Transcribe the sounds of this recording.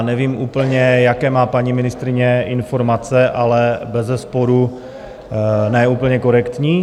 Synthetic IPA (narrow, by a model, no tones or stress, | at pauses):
nɛviːmʔuːpl̩ɲɛjakɛːmaːpaɲimɪnɪst̪ɾɪɲɛɪnfo̞ɾmat͡sɛʔalɛbɛzɛspoɾu | nɛːuːpl̩ɲɛko̞ɾɛkt̪ɲiː